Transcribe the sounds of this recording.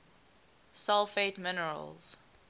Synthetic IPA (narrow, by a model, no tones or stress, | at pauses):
sɛlˠfeɪtmɪnəɹə̰lz̥